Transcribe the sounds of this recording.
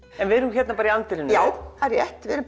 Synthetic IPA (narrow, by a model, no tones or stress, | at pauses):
ɛnvɪðɛɾnːuçɛt̪napaːɾaiant̪ɪɾɪnjaːwaɾjɛht̪vɪðɾ